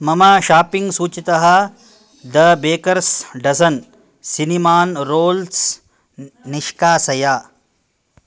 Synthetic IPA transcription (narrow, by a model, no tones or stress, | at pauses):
mɐmaːʃaːpiŋɡsuːt͡ʃit̪ɐɦɐ̆ | d̪ɐbeːkɐɾsɖɐsɐn | sinimaːnɾoːls | niʃkaːsɐjaː